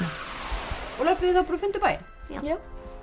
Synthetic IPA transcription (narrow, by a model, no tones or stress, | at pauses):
ɔɣlœpʏðɪθapɾɔfʏnt̪ʏpaːjɪ̰